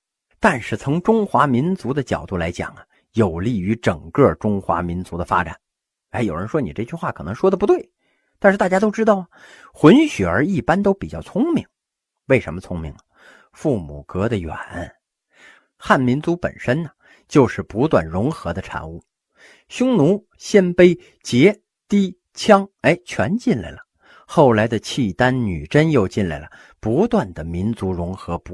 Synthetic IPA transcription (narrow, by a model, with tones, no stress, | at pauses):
t̪a˥˧nʂɻ̩˥˩t͡sʰʊ˧˥ŋʈ͡ʂʊ˥ŋxwa˧˥mi˧˥nt͡su˧˥d̪ə˧t͡ɕjɑ˨˩ʊt̪u˥˩la˧˥ɪt͡ɕjɑ̰˨˩ŋɐ˦ | jo˨˩ʊli˥˩y˧˥ʈ͡ʂɤ˨˩ŋkɤ˥˩ʈ͡ʂʊ˥ŋxwa̰˧˥mi˧˥nt͡su˧˥d̪ə˧fa̰˥ʈ͡ʂa̰˨˩˦n˧˥ | ɪjo˨˩ʊɻə˧˥nʂwɔ˥ni˨˩ʈ͡ʂɤ˥˩t͡ɕy˥˧xwa˥˩kʰɤ˨˩nɤ˧˥ŋʂwɔ˥d̪ə˩pu˧˥t̪we˥˩ɪ | t̪a˥˧ʂɻ̩˥˩t̪a˥˧˩ja˥t̪̬o˥ʊʈ͡ʂɻ̩˥t̪ɑ˥˩ʊə˩xwʊ˧˥nɕy˨˩ə˞˧˥i˥˩pa˥nt̪o˥ʊpi˨˩t͡ɕjɑ˥˩ʊt͡sʰʊ˥ŋmi˧˥ŋ | we˥˩ɪʂə˧˥nmə˧t͡sʰʊ˥ŋmi˧˥ŋə˨ | fu˥˩mu˨˩kɤ˧˥d̪ə˧jɥɛ̰˨˩n˥ | xa˥˩nmi˧˥nt͡su˧˥pə̰˨˩nʂə˥nnə˨ | t͡ɕjo˥˧ʊʂɻ̩˥˩pu˧˥t̪wa̰˥˩nɻʊ˧˥ŋxɤ˧˥d̪ə˧ʈ͡ʂʰa̰˧˥nu˥˩ | ɕjʊ˥ŋnu˧˥ | ɕjɛ˥˧npe˥ɪ | t͡ɕjɛ˧˥ | t̪i˥ | t͡ɕʰjɑ˥ŋe˧˥ɪt͡ɕʰɥɛ̰˧˥nt͡ɕi˥˩nla̰˧˩ɪlə˩ | xo˥˩ʊla˧˥ɪd̪ə˧t͡ɕʰi˥˩t̪a˥nny̰˨˩ʈ͡ʂə˥njo˥˧ʊt͡ɕi˥˩nla̰˧˩ɪlə˩ | pu˧˥t̪wa˥˩nd̪ə˩mi˧˥nt͡su˧˥ɻʊ˧˥ŋxɤ˧˥p